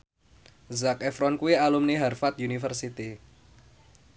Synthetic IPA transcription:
zakɛfɾɔnkuialumniɦarfat̪̚junifərsit̪i

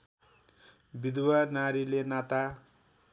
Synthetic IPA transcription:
bid̪wanaɾilenat̪a

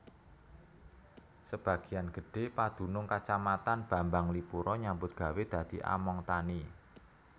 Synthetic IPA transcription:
səb̥ä̤ɡ̥i̤janɡ̥ə̤ɖ̥e̤pad̪̥ṳnʊŋkat͡ʃamat̪anb̥a̤mbaŋlipuɾɔɲambʊt̪̚ɡ̥a̤wed̪̥ä̤d̪̥i̤ʔa̰mɔŋt̪ani

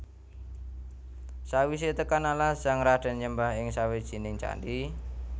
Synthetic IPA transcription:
sawis̬et̪əkanalasaŋɾaɖ̥a̤nɲəmbaɦɪŋsawed̥ʒ̥i̤nɪŋt͡ʃa̰ndi

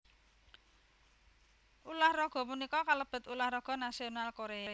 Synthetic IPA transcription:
ʔulahrɔɡ̥ɔ̤munikɔkaləb̥ə̤t̪ulahrɔɡ̥ɔ̤nasionalkoɾea

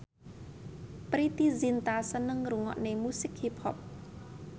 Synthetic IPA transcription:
pɾit̪izint̪asənəŋruŋɔ̰ʔnemusɪk̚hipʰɔ̰p̚

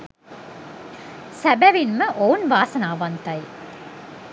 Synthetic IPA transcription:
sæbæʋinməʔounʋaːsənaːʋant̪ɐj

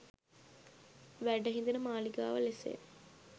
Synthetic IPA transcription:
ʋæɖəɦĩnd̪inəmaːliɡa̰ːʋəlesḛː

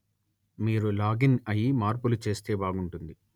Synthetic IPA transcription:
miːɾulaːɡinɐjimaːɾpulut͡ʃe̞ːst̪e̞ːbaːɡuɳʈund̪i

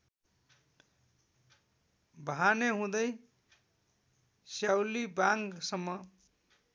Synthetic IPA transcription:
baneɦũd̪ʌj | sjawlibaŋɡsʌmːʌ

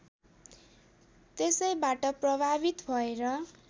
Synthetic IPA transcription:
t̪esʌjbaʈʌprʌbʱabit̪bʱʌeɾʌ

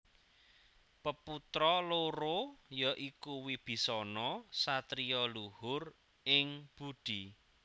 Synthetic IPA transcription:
pəput̪ɾɔloɾojɔʔikuwib̥i̤sɔnɔsat̪ɾiɔluhʊr | ɪŋb̥ud̪̥i̤

